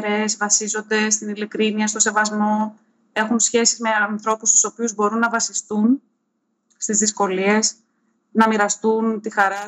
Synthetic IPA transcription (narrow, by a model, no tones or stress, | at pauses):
ɾezvɐsizo̞nd̪e̞st̪inilikɾiniɐst̪o̞se̞vɐzmo̞ | e̞xunsçe̞sizme̞ɐnθɾo̞pust̪u̥so̞piuzbo̞ɾunːɐvɐsist̪un | st̪izðisko̞lie̞s | nɐmiɾɐst̪unt̪ixɐɾɐ